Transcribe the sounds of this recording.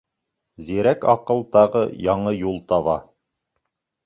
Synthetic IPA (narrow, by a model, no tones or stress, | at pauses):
ziɾækɑqɤ̆lˠt̪ɑʁɤjɑɴɤjulˠt̪ɑβɑ̰